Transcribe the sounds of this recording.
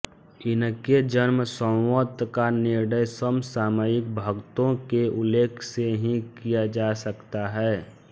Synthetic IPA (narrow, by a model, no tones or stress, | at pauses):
ɪnked͡ʒənməsə̃wwət̪ːkanɪɾnəjsəmsaːmajɪk̚bʱəɡt̪õkeʊlːeːkʰseɦĩkijad͡ʒasəkt̪aɦɛː